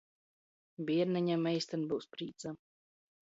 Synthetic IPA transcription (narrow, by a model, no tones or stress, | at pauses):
biɛɾnɛɲamɛjst̪anbɨwspɾiːt̪sa